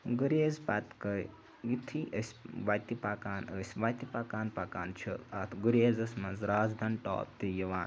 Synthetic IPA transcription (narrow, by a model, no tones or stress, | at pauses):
ɡuɾeːzpɐt̪kəj | ɡit̪ʰiʔəsʲʋat̪ipaːkaːnəsʲʋat̪ipakaːnpaːkaːnt͡ʃʰuɐt̪ʰɡuɾeːzɐsmɐnzɾaːzd̪ɐnʈɔ̰ːp̚t̪ijiʋaːn